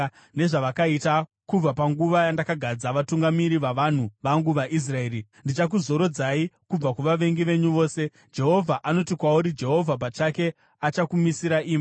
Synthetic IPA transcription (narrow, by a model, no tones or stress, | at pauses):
ne̞ʐaʋakaitakub͡vapaŋɡuʋajandakaɡʱad͡zaʋatuŋɡamiɾiʋaʋan̤uʋaŋɡuʋaʔis̬rae̞ːɾindit͡ʃak̬uzo̞ɾo̞d͡zaikub͡vakuʋaʋe̞ŋɡiʋe̞ɲuʋo̞ːse̞ | d͡ʒe̞ɦo̞vʱaʔano̞tikwauɾid͡ʒe̞ɦo̞vʱap̬at͡ʃake̞ | at͡ʃakumisiɾaʔiːmi